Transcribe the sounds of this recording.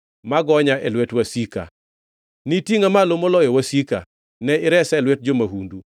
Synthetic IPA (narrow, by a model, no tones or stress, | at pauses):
maɡɔɲaʔɛlwɛtwasika̰ | nitiŋamalomolɔjɔwasika̰ | nɛɪɾɛsɛlwɛt̚d͡ʒomaɦundu